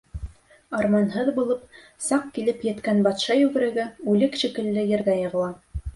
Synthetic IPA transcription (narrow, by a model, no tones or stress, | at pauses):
ɑɾmɑnɦɤðbulˠɤp | sɑqkilɘpjɘ̆t̪kænbɑt̪ʃɑjʉɣɘ̆ɾɘ̆ɡɘʉlɘkʃikɘ̆lːɘjɘ̆ɾɡæjɤ̆ʁɤ̆lˠɑ